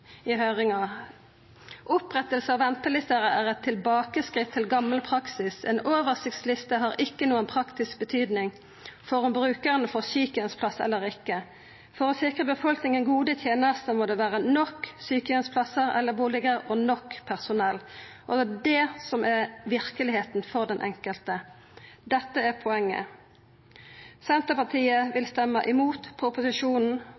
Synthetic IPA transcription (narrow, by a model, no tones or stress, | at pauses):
høːʁɪŋɑ | ʔʊpʁɛt̪əlsəɑʋɛnt̪əlɪst̪əɾəʔæʁɛt̪ʰːɪlbɑːkəskʁɪt̪ʰːɪlɡɑmːəlpʰɾɑksɪsɛ̰ːnoːʋəʁsɪk̚t̪slɪst̪əɦɑɾɪkːənuːənpʰɾʁɑkt̪ɪsk̚bət̪ʰyːd̪nɪŋ | fɔɾɑmbʁʉːkəʁənəfɔʁsyːkəənspʰlɑsɛ̰lːəɾɪkːə | fɔʁɔsɪkʁəbəfɔlknɪŋənɡuːd̪ət̪ʰjeːnəʁst̪əmɔːd̪ɛːʋæːʁənɔkːsyːkəənspʰlɑsəʁɛ̰lːəbuːlɪɡəʁɔnɔkːpʰæʁsʊnɛlːʔɔdɛd̪ɛsɔmæʋɪʁkəlɪheːt̪nfɔʁd̪ɛnʔɛ̰ŋkəlt̪ə | d̪ɛt̪ːəæʁpʰɔɛŋːə̰ | sɛnt̪əpɑʁt̪ʰiːəʋɪlst̪ɛmːəʔɪmuːt̪pʰʊpʊsɪʂuːnn̩